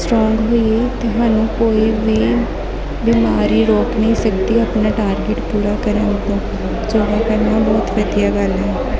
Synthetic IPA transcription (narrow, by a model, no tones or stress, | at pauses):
sʈɾɔːŋɡɦoːieːt̪eːɦaːnũːkoːiːʋiː | biːmaːɾiːɾoːknəĩːsəkd̪iːəpnaːʈaːɾɡɪʈpuːɾaːkəɾənt̪õː | d͡ʒoːɡaːkəɾnaːbɔːt̪ʋəd̪ijaːɡəlɦɛː